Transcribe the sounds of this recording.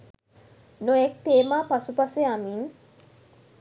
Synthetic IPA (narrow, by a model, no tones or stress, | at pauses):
nojek̚t̪eːmaːpasupɐseamiŋ